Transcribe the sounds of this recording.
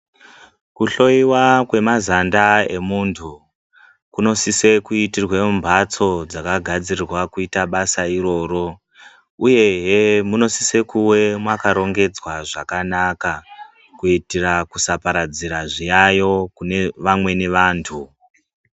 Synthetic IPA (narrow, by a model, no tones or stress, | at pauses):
kuɬo̞iwakwe̞mazandae̞muntʰu | kuno̞sise̞kuitirwe̞umbʱat͡so̞d͡zakaɡʱad͡zirirwakuitaɓasaiɾo̞ɾo̞ | uje̞ɦemuno̞sise̞kuwe̞mwakaɾo̞ŋɡe̞d͡zwaʐakanaka | kuitirakusapaɾad͡ziɾaʐijajo̞kune̞ʋamwe̞ne̞ʋaːntʰu